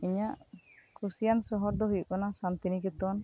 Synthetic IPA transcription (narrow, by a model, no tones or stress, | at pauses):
iɲaʔkusijansɔɦɔɾd̪ɔɦujuʔkɔnasant̪inikɛt̪ɔn